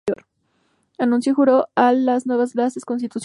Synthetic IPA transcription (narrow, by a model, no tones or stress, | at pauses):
oɾ | anũnsjoxuɾoalaznwe̞β̞azlasesko̞nst̪it̪us